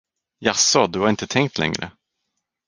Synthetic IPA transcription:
jasɔd̪ɵhaɾɪnt̪ət̪ʰɛŋkt̪ʰlʔɛ̰ŋɾə̰

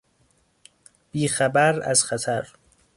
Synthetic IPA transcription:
b̥iːxæbæɾæ̰zxæt̪ʰæɾ

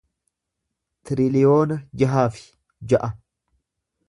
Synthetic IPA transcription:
t̪ɪɾɪlɪjo̞ːnɐd͡ʒɐɦaːfɪ̥ | d͡ʒɐʔɐ

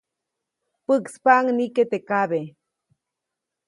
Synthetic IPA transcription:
pɨkspaŋniket̪ekaβe

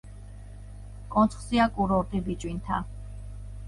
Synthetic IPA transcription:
kʼɔnt̪sʰχsiakʼuɾɔɾt̪ʼibit͡ʃʼwint̪ʰa̰

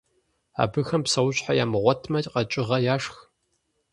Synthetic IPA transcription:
a̰ːbɨxɐmpsɐwʊɕħaja̰ːmɨʁʷɔtʰmɐqɐt͡ʃʼɪʁɐjaːʂx

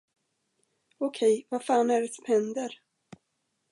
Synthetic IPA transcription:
ɔkʰɛjvafaːnæɖɛsɔmhɛnd̪əɾ

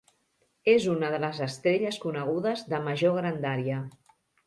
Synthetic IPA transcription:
ezunəðələzəst̪ɾeʎəskunəɣ̞uðəzðəməʒoɣɾənd̪aɾiə

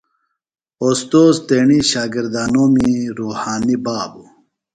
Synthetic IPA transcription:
ost̪oːzt̪eːɳiɕaːɡiɾd̪aːnoːmiɾoːhaːnibaːbu

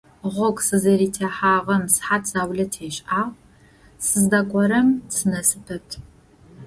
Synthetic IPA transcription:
ʁʷɔkʷʼsɨzɐɾiːtʰeːħaːʁɐmsħatʰz̥aːwɮɐtʰeːɕʼaːʁ | sɨzdɐkʷʼɔɾɐmt͡sʰɨnɐsɨpʰɐtʰ

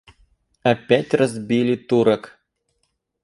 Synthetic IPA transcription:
ɐpʲætʲrɐzbʲilʲit̪uɾɐk

